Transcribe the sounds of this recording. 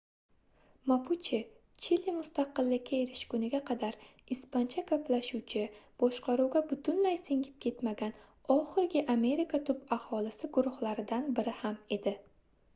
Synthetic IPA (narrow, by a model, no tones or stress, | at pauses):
mapʰut͡ʃʰɪ | t͡ʃʰilimʊst̪ɑqɨlːɪkʲːaeɾɪʃkʰʊnɪɡʲaqʰɑd̪aɾispant͡ʃʰakʰapʰlaʃuwt͡ʃʰɪb̥ɒʃqɑɾuwɡʲabʊt̪ʰʊnlajsɪŋʲɪp̚kʰʲe̞t̪maɡʲan | ɒχɨɾɡʲɪʔame̞ɾikʰat̪ʰʊbahɒlɪsɪɡʊɾʊhlaɾɪd̪anbɪɾɪhame̞d̪ɪ